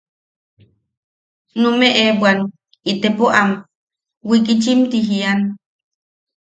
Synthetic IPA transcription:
numeʔebwan | it̪epoʔam | wikit͡ʃimt̪iɦian

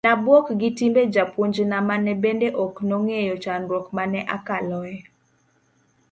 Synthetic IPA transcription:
nabwɔkɡɪtimbed͡ʒapuɲd͡ʒnamanɛbendeʔɔknoŋejɔt͡ʃanɾwɔkmanɛʔa̰kalɔɛ

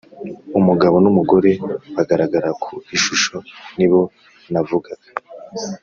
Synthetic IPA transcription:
umuɡaβo̞numuɡo̞ɾe̞waɡaɾaɡaɾakʰuiʃuʃo̞niβo̞ | navuɡaɡa

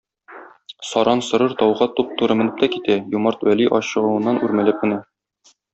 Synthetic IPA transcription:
sɒɾʔɑnsŏɾɤɾt̪ɒwʁɑt̪up̚t̪uɾɤmɘ̆nɘp̚t̪ækit̪æjumɑɾt̪wæliʔɒɕɤ̆ʁɤ̆wɤ̆nːɑnʔʉɾmæ̆lɘp̚mɘ̆næ

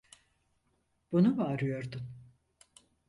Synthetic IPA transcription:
b̥unuvaːɾɯjo̞ɾd̪ʊn

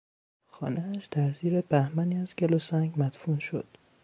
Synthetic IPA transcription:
xɒ̰ːnʔeæʃd̪æɾziːɾebæhmæniːæzɡelosæŋɟmæt̪funʃo̰d̪̥

